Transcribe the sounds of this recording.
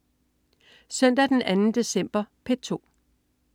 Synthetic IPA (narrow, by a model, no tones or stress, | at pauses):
sœn̰d̥æd̥enʔænn̩d̥e̝sem̰b̥ɐpʰe̥t͡sʰo̝̰ː